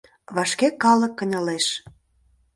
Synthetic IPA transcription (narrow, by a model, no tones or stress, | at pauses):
βɑʃkekɑlə̆kːə̆nʲə̆leʃ